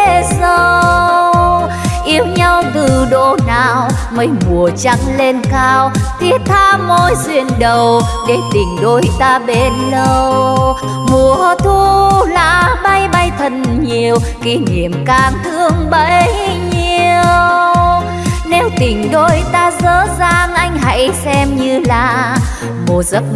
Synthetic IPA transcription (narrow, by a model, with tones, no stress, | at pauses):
zə˧ww | ʔi˧əwɲa˧wt̪ɨ˨˩ɗo̰˧˨naː˨˩w | mə˨˧˦jmu˨˩ət͡ɕa˧˥ŋle˧nkaː˧wt̪ʰi˦˥ət̚t̪ʰaː˧mo˧jzwḭ˧˩ənɗə˨˩wɗe˨˦t̪ï˨˩ŋ̟ɗo˧jt̪aː˧ɓe˧˩nlə˧w | mu˨˩əhə˧˦t̪ʰu˧la̰ː˧˥ɓa˧jɓa˧jt̪ʰə˨˩nɲi˨˩əwki˨˦ɲḭ˧˨əmkaː˧˩mt̪ʰɨ˧əŋɓə˧˥jɲi˨˩əww | nɛ˧wt̪ï˨˩ŋ̟ɗo˧jt̪aː˧zəː˧˨˥zaː˧ŋʔa˧jŋ̟ɦa̰˧˥jsɛ˧mɲɨ˧laː˨˩ | mo˨˩zə˦˥t̚